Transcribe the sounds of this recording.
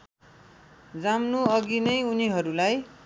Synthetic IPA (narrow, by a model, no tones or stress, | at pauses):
d͡zamnuʌɡinʌjuniɦʌɾulaj